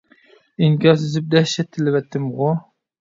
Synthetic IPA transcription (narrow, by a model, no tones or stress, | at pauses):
iŋkʲɑs̬ɪzɪp̚d̪ɛʃɛt̪ʰːɪlɪvɛt̪ʰːɪmʁʊ